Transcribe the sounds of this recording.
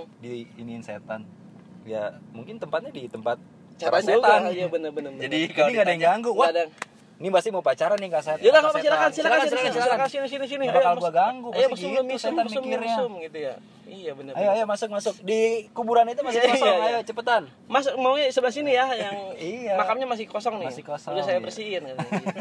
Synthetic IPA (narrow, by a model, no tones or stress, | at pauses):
diːninsḛt̪an | ja̰muŋkɪnt̪əmpat̪̚ɲadit̪əmpat̪̚ | t͡ʃaɾaɲt̪ɡaijabənərbənərbəd͡ʒadikalikadaŋɡaŋɡʊwaadaŋ | nibasɪmaupat͡ʃaɾanikaset̪d͡ʒalakalakasilakansilakakaailakasinis̬inis̬iniaajkalɡuaɡaŋɡʊajaəʊmisʊmasʊmiɾɲaʊmɡit̪uja̰ | ijabənəajajamasʊk̚masʊk̚dikubuɾanit̪̬umasɪkɔsɔajat͡ʃəpət̪an | masʊk̚maɲsəbənasinijajaŋijamakamɲamas̬ɪhkɔsɔŋnɪasɪkosɔudasajabərsiɪnkada